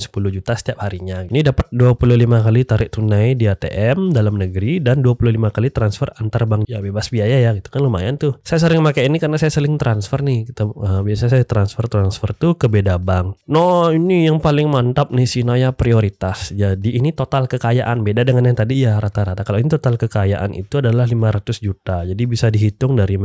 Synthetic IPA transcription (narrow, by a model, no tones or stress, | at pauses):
sə̥puluhd͡ʒut̪asə̥t̪iap̚haɾiɲaɡinidapat̪̚duapululimakalit̪aɾɪʔ̚t̪unajdiat̪ḛʔɛmdalamnəɡəɾidanduapululimakalit̪ɾansfərant̪arbaŋjabebasbiajajaɡit̪u̥kanluma̰jant̪ʊsajas̬əlɪŋmakajinikəɾənasajasəlɪŋt̪ɾansfərnɪhkit̪aəbiasaɲasajat̪ɾansfərt̪ɾansfərt̪ukəbedabaŋnɔinijaŋpalɪŋmant̪ap̚nihsinajapɾioɾit̪asd͡ʒadiʔːnit̪ot̪alkəkajaʔanbedadəŋanjaŋt̪adijaɾat̪aɾat̪akaloinit̪ot̪alkəkajaʔa̰nʔḭt̪uadalahlimaɾat̪ʊsd͡ʒut̪ad͡ʒadibisadiɦit̪ʊŋdaɾi